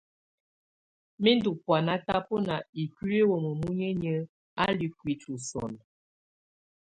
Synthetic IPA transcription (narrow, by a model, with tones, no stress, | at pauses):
mi˦ndu˨pwa˨na˦ta˦po˦na˨i˨ki˦ɾe˦wo˨mə˨mu˦ɲə˦ɲə˦ | a˦li˦kwi˨˦t͡ʃu˨sɔ̰˨n